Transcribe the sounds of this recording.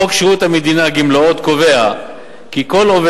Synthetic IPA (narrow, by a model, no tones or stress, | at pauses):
okʃiut̪hamed̪inaɡimloot̪ko̞ve̞a | kiko̞love